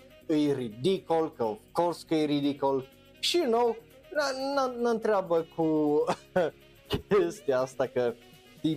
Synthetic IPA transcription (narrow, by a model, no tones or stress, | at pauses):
ɨjrid̪ikolkəofkoɾskəjɾid̪ikol | ʃijunow | nənənənt̪ɾeabəkʰu | kʲest̪iaast̪akə | t̪i